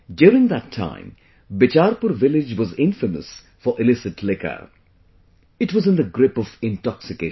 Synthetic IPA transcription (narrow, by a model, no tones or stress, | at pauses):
djuːɾɪ̃ŋd̪ətʰːã̰ɪ̃m | bɪt͡ʃaɾpʊɾʋɪlɪd͡ʒwɔzɪ̃ɱfəmə̰s | fɔɹʔɪlɪsɪtʰlɪkə̰ | ɪtwɔzɨ̃nd̪əɡɾɪpɔvɪ̃ntɔksɪke